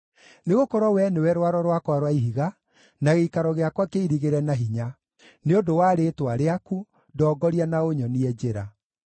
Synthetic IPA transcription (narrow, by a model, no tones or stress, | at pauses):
neɣokɔɾwɔwɛnewɛɾwaɾɔɾwakwaɾwaiɦiɣa | naɣeikaɾɔɣeakwakeiɾiɣeɾɛnaɦiɲa | neodowaːɾetwaɾeaku | dɔːɡɔɾianaoɲɔniɛd͡ʒeɾa